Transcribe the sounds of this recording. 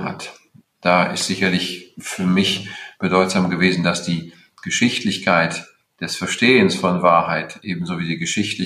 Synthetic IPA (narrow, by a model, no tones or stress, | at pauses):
ha̰t | d̥aːɪ̰stz̥ɪçɐlɪçfyːɐmɪçb̥ədɔʏtz̥aːmɡəveːzn̩dasd̥iː | ɡ̥əʃɪçtʰlɪçkʰaɪt | d̥ɛsfɛɐʃteːənsfɔnvaːɐɦaɪtʔeːbm̩zoːviːdiːɡəʃɪçtlɪ